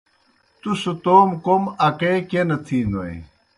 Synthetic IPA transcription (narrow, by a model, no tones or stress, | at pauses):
t̪usut̪oːmkomɐkeːkenɐt̪ʰinoj̰